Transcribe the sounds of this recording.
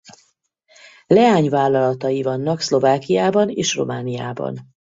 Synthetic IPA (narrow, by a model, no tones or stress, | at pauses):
lɛaːɲvaːlːɒlɒt̪ɒjivɒnːɒkslo̞vaːkijaːbɒneːʃro̞̰maːnija̰ːbɒ̰n